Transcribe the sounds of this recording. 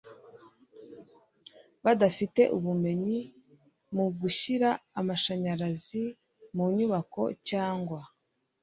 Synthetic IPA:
βadafite̞̰ʔuβume̞ɲi | muɡuɕiɾaːmaʃaɲaɾazi | muɲuβako̞̰caːŋɡwa

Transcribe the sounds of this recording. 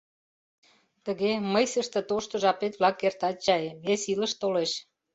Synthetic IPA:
t̪ə̆ɣeməjsəʃt̪ə̆t̪oʃt̪ŏʒɑpet̪βlɑkːert̪ɑt͡ɕɑeβesiləʃt̪oleʃ

